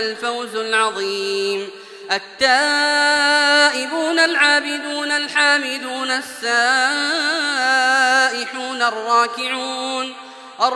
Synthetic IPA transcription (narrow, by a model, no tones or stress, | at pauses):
alfawzalʕɑðˤiːm | ʔat̪ːaː | ʔɪbuːnalʕaːbɪd̪uːnalħaːmɪd̪uːnasːaː | ʔɪħuːnɑrˤːɑːkɪʕuːn | ʔɑr